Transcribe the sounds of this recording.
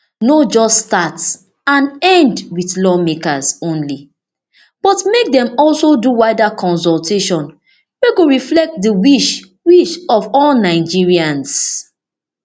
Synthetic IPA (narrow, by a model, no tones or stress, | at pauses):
nod͡ʒɔststat | ãnɛ̃ndwiθlɔmekazõnli | b̥ɔtmek̚dɛ̃mɔlsoduwaɪdakʰɔ̃ns̬ɔltʰeʃɔ̃n | weɡoɹiflɛk̚tdəwiʃ | wiʃɔvɔlnaɪd͡ʒiɹiãns